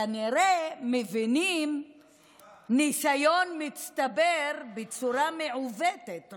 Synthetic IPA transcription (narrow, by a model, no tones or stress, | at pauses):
aniɾemevinim | nisajo̞nmit͡st̪abeɾbet͡suɾameʕuvetet